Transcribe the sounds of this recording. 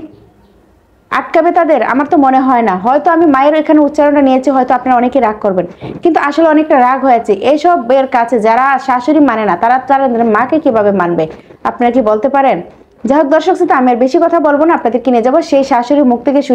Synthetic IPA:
a̰ʈ̚kabet̪ad̪eɾa̰maɾt̪omoneɦɔenaɦɔet̪oamimaeɾekʰaneut̪ːʃaɾonʈanijet͡ɕʰiɦɔet̪oapnaɾaɔnekeɾaɡ̚koɾbenkint̪uaʃoleɔnek̚ʈaɾaɡʱɦoeat͡ɕʰiʔeʃɔbːeɾkat͡ɕʰed͡ʑaɾaʃaʃoɾimanenat̪aɾat̪aɾad̪eɾmakekibʱabemanbe | apnaɾakibolt̪epaɾen | d͡ʑaɦok̚d̪ɔɾʃoksʰut̪aamiaɾbeʃikɔt̪ʰabolbonaapnad̪eɾkinied͡ʑaboʃejʃaʃoɾimuk̚t̪ʰekeʃu

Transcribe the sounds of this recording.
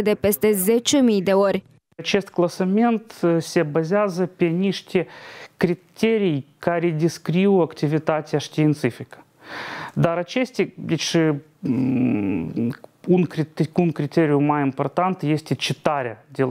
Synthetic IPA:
d̪epʲe̞st̪ʲe̞zʲet͡ʃemʲijd̪e̞o̞ɾʲ | t͡ʃest̪klˠɐsɐmʲe̞nt̪sʲebɐzʲazəpʲenʲiʂt̪ʲekɾʲɪt̪ʲeɾʲijkaɾʲɪdʲɪskɾʲiʊɐktʲɪvʲɪt̪at̪ʲɪɐʂt̪ʲɪɪnt̪sɨfʲɪkə̥ | d̪aɾɐt͡ʃesʲt̪ʲɪvʲiʂɨ | unkɾʲɪt̪kunkɾʲɪt̪ʲeɾʲɪjʊmajɪmport̪ant̪jesʲtʲɪt͡ʃɪt̪aɾʲɐd̪ʲelˠ

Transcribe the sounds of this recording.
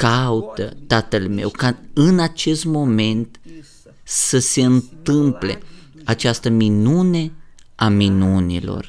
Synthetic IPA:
kaut̪ət̪at̪əlme̞̰wkaɨnat͡ʃe̞st̪mo̞me̞nt̪ | səse̞ɨnt̪ɨmple̞̰ | at͡ʃast̪əminune̞ | aminunḭlo̰r

